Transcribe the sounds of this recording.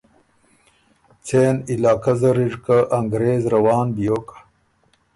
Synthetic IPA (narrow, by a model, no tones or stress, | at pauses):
t͡sʰeːnilaːkɐzɐɾiʐkaʔɐŋɡɾeːzɾɐwaːnbijoːkḁ